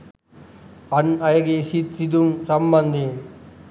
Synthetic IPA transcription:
ɐnɐjɐɡesit̪sid̪umsɐmbɐnd̪ʱi

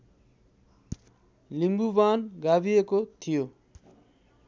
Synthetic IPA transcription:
limbubanɡabijekot̪ʰijo

